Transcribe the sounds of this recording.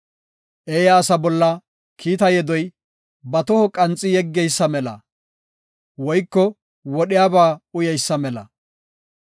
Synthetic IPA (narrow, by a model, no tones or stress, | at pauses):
ʔejɐːsɐbɔlːɐ | kʰiːt̪ɐjɛd̪ɔj | bɐt̪ɔhɔkʼɐnt͡sʼːɪjɛɡːɛjsːɐmɛlɐ̰ | wɔjkːɔ | wɔɗɪjaːbaːʊjɐjsːɐmɛlɐ̰